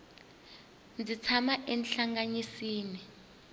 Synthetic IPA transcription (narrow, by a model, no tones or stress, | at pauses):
nd͡zit͡sʰamaʔɛnɬaŋɡaɲisiːni